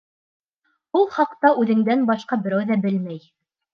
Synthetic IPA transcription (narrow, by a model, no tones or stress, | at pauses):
ulˠχɑqt̪ɑʔʉðɘ̆ŋd̪ænbɑʃqɑbɘ̆ɾæwðæbɘlmæj